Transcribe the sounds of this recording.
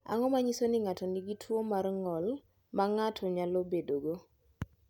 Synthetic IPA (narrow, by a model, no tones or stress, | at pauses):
a̰ŋɔmaɲisonɪŋatɔniɡitʰwomarŋɔl | maŋatʰɔɲalɔbedoɡo